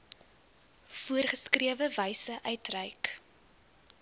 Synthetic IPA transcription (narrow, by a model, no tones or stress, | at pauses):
fuərχəskriəvəvəjsəʔœɥtrəjk